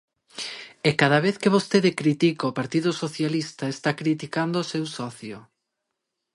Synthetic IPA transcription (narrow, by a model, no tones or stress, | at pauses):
ekað̞ɐβeθkeβ̞ost̪eðɪkɾit̪ikaopaɾt̪iðʊsoθjalist̪aest̪akɾit̪ikand̪oʊːsewsɔθjʊ̰